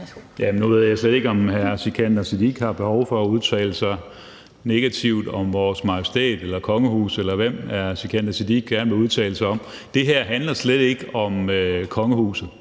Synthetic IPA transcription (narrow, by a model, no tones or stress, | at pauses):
jæmnuʋe̝ð̞̰ˠjɑsled̥e̝ɡ̥ɒ̽mhæɐsikʰænd̥æsid̥iɡ̥hɑ̈b̥e̝hɒʊfɒ̽æuð̞ˠt͡sʰɛ̰ːləsɑ̈ɪ | ne̝ɡ̥æt͡sʰiʊ̰d̥ɒ̽mʋɒːsmɑ̈ʊsi̥d̥ʰḛːd̥elɐkʰɒ̽ŋəhṵːselɐʋem̰æɐsikʰænd̥æsid̥iɡ̥̚ɡ̥æɐnəʋe̝uðˠt͡sʰɛ̰ːləsɑ̈ɪɒ̽m̰ | d̥e̝ɦæɐ̰ɦænlɐsled̥e̝ɡ̥əɒ̽møkʰɒ̽ŋəhṵːsð̩ˠ